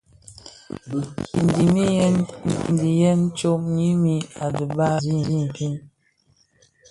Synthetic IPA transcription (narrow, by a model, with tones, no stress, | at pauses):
i˨n˨di˨mi˦jɛ˦n˨n˨di˨jɛ˦n˦t͡ʃo˦mɲi˦mi˦a˨di˨ba˦zi˦˨di˦m˨pi˦n